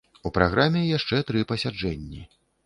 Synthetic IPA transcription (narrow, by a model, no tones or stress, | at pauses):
upɾaɣɾamʲɛjaʂt͡ʂɛt̪ɾɨpɐsʲad͡ʐɛnʲːi